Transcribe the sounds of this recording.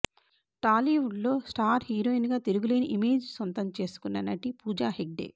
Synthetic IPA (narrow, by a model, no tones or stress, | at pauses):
ʈaːliʋuɖlo̞ːsʈaːɾhiːɾoːinɡaːt̪iɾuɡule̞ːniʔime̞ːd͡ʒsont̪ɐmt͡ʃe̞ːsu̥kunːɐnɐʈipuːd͡ʒaːɦeɡ̚ɖḛː